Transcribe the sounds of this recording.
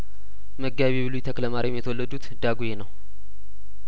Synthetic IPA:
məɡaβiβɨlujt̪ʰəkləmaɾʔimjɛt̪ʰəwɔlːəd̪ut̪d̪aɡujenəw

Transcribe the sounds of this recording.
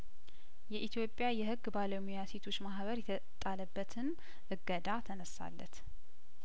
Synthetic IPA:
jɛʔit̪ʰjo̞pʼːjajɛhɨɡːbaləmujase̞t̪ʰo̞t͡ʃːmaɦβəɾjɛt̪ʰə | t̪ʼaləbːət̪ʰɨn | ʔɨɡːəd̪at̪ʰənəsa̰lːə̰t̪

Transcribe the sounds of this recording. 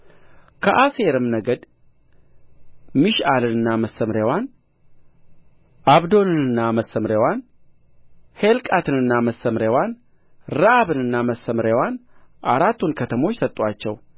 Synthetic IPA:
kʰəʔaseɾɨmnəɡəd̪ | miʃalɨnɨnːaməsːəmɾewan | ʔaβd̪o̞nɨnɨnːaməsːəmɾewan | helkʼat̪ʰɨnɨnːaməsəmɾewan | ɾaaβɨnɨnːaməsːəmɾewanʔaɾat̪ʰːunkʰət̪ʰəmo̞t͡ʃːsət̪ʼwat͡ʃːɛw

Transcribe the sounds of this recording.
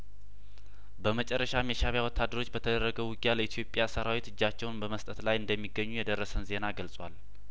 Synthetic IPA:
bəmət͡ʃʼɛrːəʃameʃaβjawɔt̪ʰːad̪ːəɾo̞t͡ʃːbət̪ʰəd̪əɾrːəɡəwwɨɡjaləit̪ʰijo̞pʼjasəɾawit̪ɨd͡ʒːat͡ʃːɛwnbəməst̪ʼət̪lajɨnd̪əmːiɡːəɲːujɛd̪ərːəsənze̞naɡəlsʼwal

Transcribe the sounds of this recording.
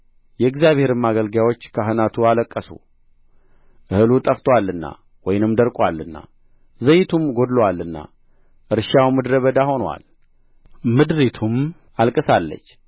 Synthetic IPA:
jɛɨɡzjaβhe̞ɾɨmaɡəlɡawo̞t͡ʃːkʰəɦɨnat̪ʰualəkʼːəsṵ | ʔɨhɨlut̪ʼəft̪ʰwalːɨnːa̰ | wɔjnɨmd̪əɾkʼwalːɨnːa̰ | zəjːɪt̪ʰumɡo̞d̪lwalːɨnːa̰ | ʔɨɾʃawmɨd̪ɾəβəd̪aho̞nwa̰l | mɨd̪ɾit̪ʰum | alkʼɨsalːə̰t͡ʃː

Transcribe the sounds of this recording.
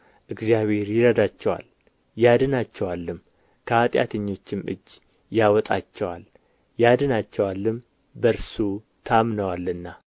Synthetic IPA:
ʔɨɡzijaβhe̞ɾjɪɾəd̪at͡ʃːɛwa̰l | jad̪ɨnat͡ʃːɛwalːɨm | kʰəat̪ʼja̰t̪ʰəɲːo̞t͡ʃːɪmɨ̰d͡ʒː | jawɔt̪ʼat͡ʃːɛwa̰l | jad̪ɨnat͡ʃːɛwalːɨm | bəɾsu | t̪ʰamnəwalːɨnːa

